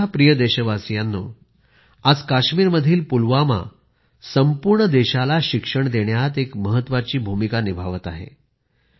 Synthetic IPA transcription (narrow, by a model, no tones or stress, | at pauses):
apɾijəd̪eɕəʋasjanːo̰ | ad͡zkaɕmiːɾməd̪ʱiːlpulʋama̰ | səmpuɾɳəd̪eɕalaɕikʂəɳd̪eɳjat̪ekməɦət̪ːʋat͡ɕiːbʱumikanibʱaʋət̪aɦḛ